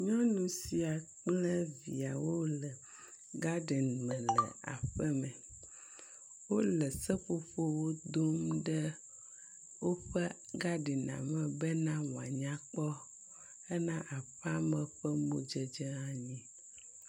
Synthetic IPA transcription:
ɲɔ̃˦nũ˨si˨a˨k͡plɛ˦vḭ˨a˨wo˦lɛ˨ | ɡa˦ɖɛ˨n˨mɛ̃˨lɛ̰˨a̰˨ɸɛ˦mɛ̃˨ | wo˦lɛ˨sɛ˦ɸo˦fo˦wo˦d̪o˦mɖɛ˦ | wo˦ɸɛ˦ | ɡa˦ɖi˨nã̰˨mɛ̃˨bɛ˦nã˦w̃a̰˨ɲã˦k͡pɔ˦ | ɛ˦nã˦ʔa˨ɸa˦mɛ̃˨ɸɛ˦mo˦d͡ʒɛ˦d͡ʒɛ˦ã˦ɲĩ˦

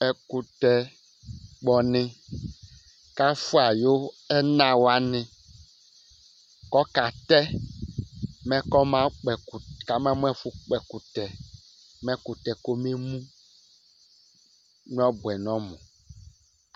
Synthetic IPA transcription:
ɛ˨ku˨t̪ɛ˨ | k͡pɔ˨nɪ̃˦ | ka˦fu˦a˨jo˦ | ɛ˦nã˨wa˦nɪ̃˨ | kɔ˦ka˨t̪ɛ˦ | mɛ̃˦kɔ˦mã˦k͡pɛ˨ka˨mã˦m˦ɛ˦fʊ˦k͡pɛ˨ku˨tɛ˨ | mɛ̃˦ku˨t̪ɛ˨ko˦me˦mũ˦ | n˦ɔ˦bʊ˨ɛ˨nɔ̃˦mʊ̰̃˨

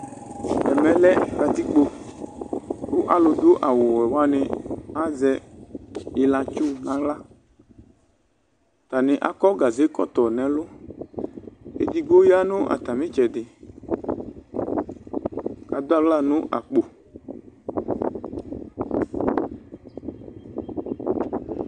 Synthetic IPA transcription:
ɛ˨mɛ̃˨lɛ˦ka˨t̪i˦k͡po˦ | kʊ˦ʔa˨lʊ˧d̪ʊ˦ʔa˨wʊ˨wɛ˨wa˦nɪ˦a˦zɛ˧ | ɪ˨la˧t͡ʃʊ˦nã˦la˦ | t̪a˨nɪ˨ʔa̰˨kɔ˦ɡa˨ze˦kɔ̰˦t̪ɔ˨nɛ̃˨lʊ˦ | ḛ˦d̪i˨ɡo˦ja˦nʊ̃˦ʔa̰˨t̪a˨mɪ̃˦t͡ʃɛ˨dɪ˨ | ka˨d̪ʊ˦a˦˨vla˦nʊ̃˦ʔa̰˨k͡po˨

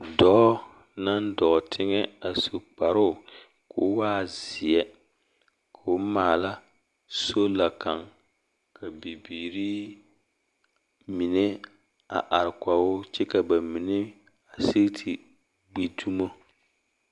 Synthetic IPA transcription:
dɔ˨˦ | na˦ndɔ˨tʰɪ˦ŋɛ˦a˨so˨k͡pa˨ɾʊ˦˨ | ko˨˦waː˦zɪ˨ɛ˦ | kʰa˨ʊ˦maː˨la˦ | so˦la˨ka˨ŋ | kʰa˨bi˨biː˨ɾiː˦ | mi˨nɛ˦ | a̰˨ʔa˨ɾɪ˨ka˨wʊ˦t͡ʃɛ˦ka˨ba˨mi˨nɪ˦ | a˨si˦tʰi˨ | ɡ͡bi˦tu˦mo˦

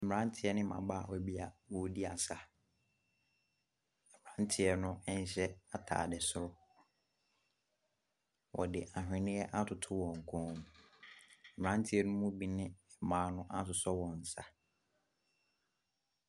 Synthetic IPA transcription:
m̩˨m˨ɾã˦n̩˦tʰɪ˨˦ɛ˦nɪ̃˦mã̰˨ba˦˨wɔ˦˨bi˦a˨wɔ˨di˦a˨sa˨ | ɛ˨mɪ˨ã˦n˦tʰɪ˨˦ɛ˦nʊ̃˦ɛ˦n˦ɕɛ˦a˨tʰa̰ː˨dɛ˨sʊ˦ɾʊ˦ | wʔɔ̰˨dɪ˨ʔa˨hᶣɪ̃˨nɪ̃˦ɛ˦ʔa˦tʰʊ˨tʰʊ˦wɔ̃˨ŋ̩˨kʰɔ̃˦m̩˨ | mɪ̃˨ɾã˦n˦tʰɪ˦ɛ˦nʊ̃˦mũ˦bi˨nɪ̃˦˨ | mãː˨˦nʊ̃˦ʔa˦tʊ˨sɔ˦wɔ̃˨n̩˨sa˨

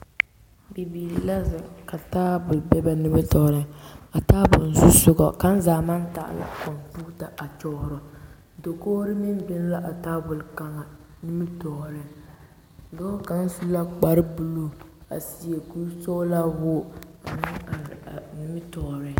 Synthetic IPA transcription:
bi˨biː˨la˦zɪ˨ka˨taː˦bʊ˨lbɛ˦ba˨nɪ˦bɪ˦tɔː˨ɾɪ˦a˨taː˦bʊ̰˨lzu˦sʊ˦ɡɔ̰˨ka˦n̩˦zaː˨ma˦n˦ta̰˨ʔla̰˨kɔ˨npu˦ta˨ʔa˨t͡ʃɔ˦hʊ˨ɾɔ˨ | do˨koː˦ɾɪ˦mɪ˦n˦bɪ˦n˦la˦ʔa˨taː˦bʊ˨lka˨ŋa˨ | nɪ˦mɪ˦tɔ˨ɾɪ˨˦ | dɔ˦ka˨ŋ˦su˦la˦k͡pa˨ɾɨ˦bu˨lu˦a̰˨si˨je˨ku˦sɔ˦la˦wʊ˦a̰˨nɪ˦a˨nɪ˦mɪ˦tɔ˨ɾɪ˨˦

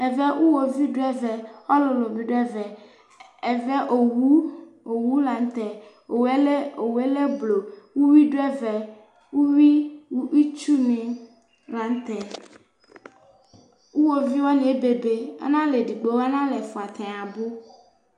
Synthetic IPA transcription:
e˨vɛ˦wʔu˦wo˨vi˦ɖo˦ɛ˦vɛ˨ɔ˦lo˨lo˨mĩ˨ɖo˦ɛ˦vɛ˨ | e˨vɛ˦ʔo˨wu˦ | o˨wu˦la˨n˦t̪ɛ˨ | o˨we˦le˦o˨we˦le˦blo˨wu˦wi˦ɖo˦ɛ˦vɛ˨ | wu˦wi˦wu˦wi˦t͡ʃu˦nẽ˨ | la˨n˦t̪ɛ˨ | wu˦wo˨vi˦wɔ˦nĩ˨e˦be˨be˨ḛ˦nã˦le˨ɖi˨ɡ͡bo˨wa˦nã˦le˨fu˨a˨t̪ʰɛ̃˨a˨bo˦

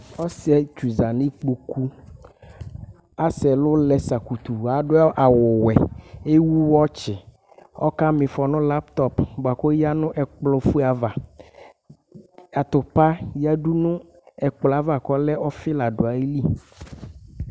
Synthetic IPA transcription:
ɔ˦sɛ˦t͡ʃu˨za˨nĩ˦k͡pu˨ku˦ | a˦sɛ˨lʊ˦lɛ˨sa˨ku˨t̪u˨a˨ɖʊ˦ʔa˨wʊ˨wɛ̰˨e˦wu˦wɔ˦t͡ʃɪ˨ | ɔ̰˦ka˦mɪ̃˨fɔ˨nʊ̃˦la˦pt̪ɔ˦pbo˨a˨ko˦ja˦nʊ̃˦ʔɛ˨k͡plɔ˦fu˦a˨va˨ | a˨t̪ʊ˨pa˦ja˦ɖu˦nʊ̃˦ | ɛ˨k͡pla˨va˨kɔ˦lɛ˦ɔ˦fɪ˦la˨ɖʊ˨a˨ji˦li˦

